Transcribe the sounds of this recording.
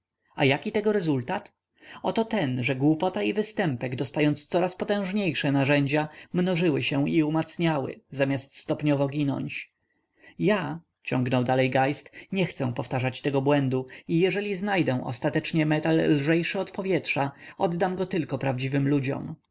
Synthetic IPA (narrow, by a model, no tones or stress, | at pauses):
a̰jakʲit̪ɛɡɔɾɛzult̪at̪ | ɔt̪ɔt̪ɛnʐɛɡwupɔt̪aivɘst̪ɛmpɛɡd̪ɔst̪ajɔnt̪st̪sɔɾaspɔt̪ɛ̃w̃ʐɲejʂɛnaʐɛɲd͡ʑamnɔʐɘwɘɕɛ̃iumat̪sɲawɘ̰zamʲjast̪st̪ɔpɲɔvɔɡʲinɔ̰ɲt͡ɕ | ja | t͡ɕɔ̃ŋɡnɔwd̪alɛjɡajst̪ɲɛxt̪sɛ̃pɔft̪aʐat͡ɕt̪ɛɡɔbwɛnd̪uijɛʐɛlʲiznajd̪ɛw̃ʔɔ̰st̪at̪ɛt͡ʂɲɛmɛt̪alːʐɛjʂɘɔt̪pɔvʲjɛtʂaɔd̪d̪amɡɔt̪ɘlkɔpɾavd͡ʑivɘmlud͡ʑɔ̰m